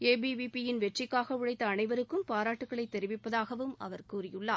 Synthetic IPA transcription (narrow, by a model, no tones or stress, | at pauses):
eːbiʋipijɪnʋɛʈrɪkːaːɣɐʋɯɻɐɪt̪ːɐːnɐɪʋɐɾɯkːɯmpaːɾaːʈːɯkːɐɭɐɪt̪ːɛɾɪʋɪpːɐðaːɣɐʋɯmɐ̰ʋɐɾkuːrɪjɯɭːaː